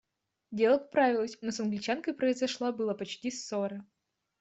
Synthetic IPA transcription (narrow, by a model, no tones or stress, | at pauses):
dʲelˠəkpɾavʲɪlˠəsʲnosɐnɡlʲɪt͡ɕankəjpɾəɪzɐʂlˠabɨlˠəpɐt͡ɕtʲisoɾə